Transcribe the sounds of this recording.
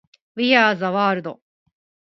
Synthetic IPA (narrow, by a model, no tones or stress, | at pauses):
βijaːzaβaːɾɯd̪o